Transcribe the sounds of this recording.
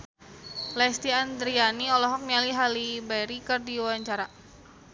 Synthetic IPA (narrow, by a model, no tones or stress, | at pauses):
lɛst̪iand̪ɾianiɔlɔɦɔk̚nialiɦalibajɾikɨrdiwaɲt͡ʃaɾa